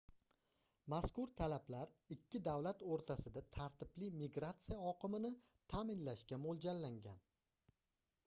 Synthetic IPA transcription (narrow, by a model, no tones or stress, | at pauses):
maskʊɾt̪ʰalablaɾɪkʲʰːɪd̪awlat̪oɾt̪ʰasɪd̪at̪ʰaɾt̪ʰɪblɪmiɡɾat̪sijaɒqʰɨmɪnɪ | t̪ʰamɪnlaʃkʲamolˠd͡ʒalːaŋɡʲan